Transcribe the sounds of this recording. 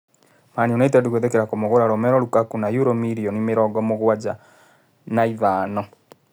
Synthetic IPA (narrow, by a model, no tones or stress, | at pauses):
maniɔnaitaduɣeðekeɾakomoɣoɾaɾɔmɛɾɔɾukakunajuɾɔmiɾiɔnimeɾɔɡɔmoɣwad͡ʒa | naivaːnɔ